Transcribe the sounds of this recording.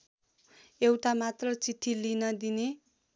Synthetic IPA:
ewʈamat̪rʌt͡sit̪ʰːilinʌd̪ine

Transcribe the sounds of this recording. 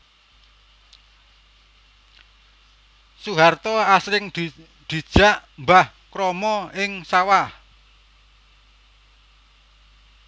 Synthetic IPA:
suɦart̪ɔasɾɪŋ | ɖ̪̥i̤d̥ʒ̥a̤ʔmbah | kɾɔmɔɪŋsawah

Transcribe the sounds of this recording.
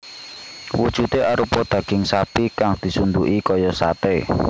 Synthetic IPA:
wud̥ʒ̥ṳt̪eʔaɾupɔd̪̥ä̤ɡ̥ɪŋsapikaŋd̪̥i̤sund̪uʔikɔjɔsat̪e

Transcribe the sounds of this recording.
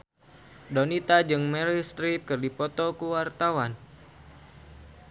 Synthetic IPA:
donit̪ad͡ʒɨŋmɛɾist̪ɾit̪̚kɨrdipɔt̪ɔkuwart̪awan

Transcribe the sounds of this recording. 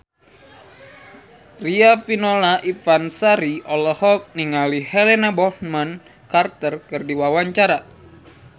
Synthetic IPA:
riafinolaʔifansaɾiɔlɔhɔk̚niŋalihɛlɛnabɔhman | kart̪ərkɨrdiwawaɲt͡ʃaɾa

